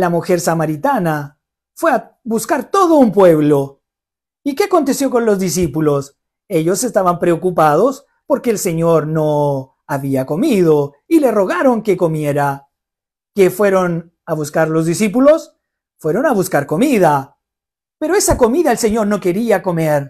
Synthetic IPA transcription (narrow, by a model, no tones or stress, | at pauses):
lamuxe̞ɾsamaɾit̪ana | fwe̞a | βuskaɾt̪o̞ðo̞umpwe̞βlo̞ | ike̞ako̞nt̪e̞sjo̞ko̞nlo̞zðis̬ipulo̞s | e̞ʎo̞se̞st̪aβampɾe̞okupað̞o̞s | po̞ɾke̞ːlse̞ɲo̞ɾno̞ | aβiako̞miðo̞ | ile̞ro̞ɣ̞aɾo̞ŋke̞ko̞mje̞ɾa | ke̞fweɾo̞n | aβuskaɾlo̞zðisip̬ulo̞s | fwe̞ɾo̞naβuskaɾko̞mið̞a | pe̞ɾoe̞sako̞miðaelse̞ɲo̞ɾno̞ke̞ɾiako̞me̞ɾ